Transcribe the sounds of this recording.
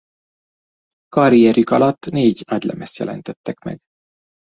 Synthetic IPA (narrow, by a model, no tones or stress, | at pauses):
kɒɾijɛrjykɒlɒt̪ːneːɟnɒɟlɛ̰mɛst̪jɛ̰lɛ̰nt̪ɛt̪ːɛkmɛ̰ɡ